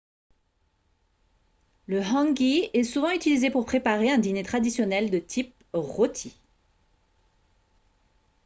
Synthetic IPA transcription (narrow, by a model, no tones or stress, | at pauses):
ləɦɑ̃ɡʲiɛsuvɑ̃yt̪ilizepuʁpχepaʁeɛ̃d̪inet̪χad̪isjɔnɛld̪ət̪ʰip̚ | ʁot̪ʰi